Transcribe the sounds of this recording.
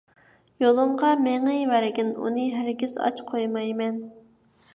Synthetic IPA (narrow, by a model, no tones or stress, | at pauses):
jolˠɨmʁɑmeŋɨvæɾɪɡʲɪnṵnɨɦæɾɡʲiz̥ɑ̰t͡ʃqʰojmɑjmɛn